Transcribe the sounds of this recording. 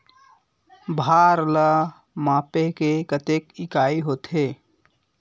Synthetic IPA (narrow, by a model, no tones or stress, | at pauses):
bʱaːɾlə | mãːpekekət̪ekɪkaːiɦoːt̪ɦeː